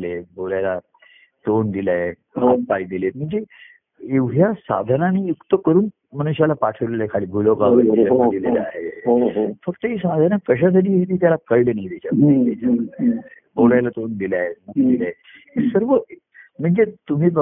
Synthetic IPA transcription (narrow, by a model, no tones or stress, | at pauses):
lebolajla | t̪ond̪ilaɦe | ɦat̪̚paid̪ilet̪m̤əɳd͡ze | eʋɦjasa̰d̪ʱənanijukt̪əkəɾuːn | məñuɕjalapaʈʰəʋlelaekʰaliːbʱuloɡaʋəad̪ilea̰ɦeɦoɦofəkt̪əɦisad̪ʱanakəɕ̬as̬aʈiːɦet̪iːt̪jalakəjilənaid̪et͡ɕamiat͡ɕa | bolajlat̪ond̪ilaɦemukd̪ilae | esəɾʋə | m̤əɳd͡zet̪um̤iːbə